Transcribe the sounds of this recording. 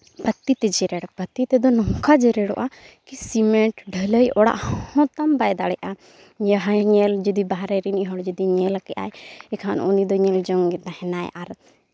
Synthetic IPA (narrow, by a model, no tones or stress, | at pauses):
bət̪ːit̪ɛd͡ʒɛɾɛɽbət̪ːit̪ɛd̪ɔnɔŋkad͡ʒɛɾɛɽɔʔakisimɛ̃ɳʈɖʱələjɔɽa̰ʔhɔ̃t̪ambajd̪aɽɛʔa | ɲaɦaɲɛld͡ʒəd̪ibaɦɾɛɾiniɦɔɽd͡ʒəd̪iɲɛlakɛʔa̰jɛkʰanɔnid̪ɔɲɛld͡ʒɔŋɡɛt̪ahɛnaj̰ʔaɾ